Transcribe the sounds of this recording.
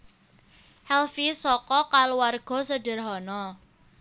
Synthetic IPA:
hɛlfisɔkɔkaluwarɡ̥ɔ̤sədə̤rɦɔnɔ

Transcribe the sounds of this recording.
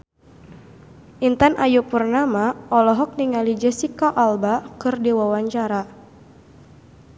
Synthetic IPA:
ʔint̪anʔajupurnamaɔlɔɦɔk̚niŋalid͡ʒɛsikɔʔalbakɨrdiwawaɲt͡ʃaɾa

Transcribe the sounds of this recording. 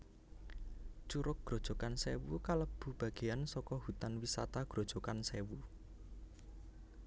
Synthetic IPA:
t͡ʃuɾʊk̚ɡ̥ɾo̤d̥ʒ̥ɔ̤kansewṵkaləb̥ṳb̥ä̤ɡ̥e̤jansɔkɔhut̪anwisat̪aɡ̥ɾo̤d̥ʒ̥ɔ̤kansewu

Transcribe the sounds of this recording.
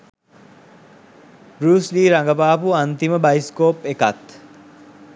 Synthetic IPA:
bɾuːsliːɾaŋɡəpaːpuant̪iməbaiskoːpeka̰t̪

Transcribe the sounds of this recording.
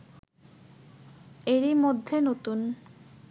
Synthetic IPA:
eɾimod̪ʱːenot̪un

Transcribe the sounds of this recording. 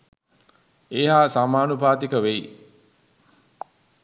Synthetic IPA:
eːɦaːsamaːnubʱaːt̪ikəʋej

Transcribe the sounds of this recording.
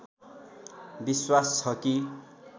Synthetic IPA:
biswast͡sʰʌki

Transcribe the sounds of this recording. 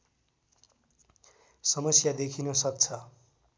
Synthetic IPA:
sʌmʌsjad̪ekʰinʌsʌk̚t͡sʰʌ

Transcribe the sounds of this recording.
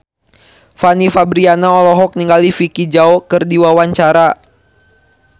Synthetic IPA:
fanifabɾianaɔlɔɦɔk̚niŋɡalifikid͡ʒaɔkɨrdiwawaɲt͡ʃaɾa

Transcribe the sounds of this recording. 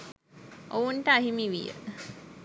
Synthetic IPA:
ʔounʈəaɦimiʋijə̰

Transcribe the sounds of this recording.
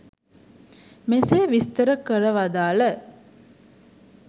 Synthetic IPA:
meseːʋist̪əɾəkəɾəʋad̪aːlə

